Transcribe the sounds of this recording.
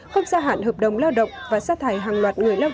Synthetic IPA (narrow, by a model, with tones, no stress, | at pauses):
ku˦˥ət̚zaː˧ɦa̰ː˧˥nɦəː˨˩p̚ɗə˨˩wŋ͡mlaː˧wɗə̰˧˨wŋ͡mvaː˨˩saː˧t̪ʰaː˨˩jɦaː˨˩ŋlwaː˨˩t̚ŋɨ˨˩əjlaː˧